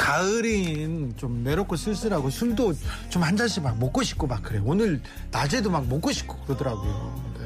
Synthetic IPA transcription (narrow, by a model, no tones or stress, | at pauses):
kaɯɾint͡ɕomːe̞ɾok͈ʰos͈ʰɯɭs͈ɯɾaɡosʰundot͡ɕomhand͡ʑaɕʰimak̚mok͈oɕʰi̥k͈omak̚k͈ɯɾe̞joːnɯɭ | nad͡ʑedomak̚mok͈oɕʰi̥k͈ʰo̥kɯɾɯdɯɾaɡojo̰ne